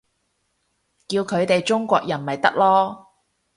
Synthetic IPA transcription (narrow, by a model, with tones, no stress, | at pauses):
kiː˧wkʰɵ˨˧ɥt̪e˨jt͡ʃʊ˥ŋkʷɔ̰ː˧k̚jɐ˨˩nmɐ˨jt̪ɐ̰˥k̚lɔː˥